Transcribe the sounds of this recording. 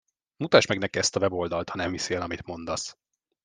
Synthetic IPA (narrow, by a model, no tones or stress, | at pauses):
mut̪aːʃmɛɡnɛkiɛst̪ɒvɛbo̞ld̪ɒlt̪hɒnɛɱviseːlɒmit̪mo̞nd̪ɒs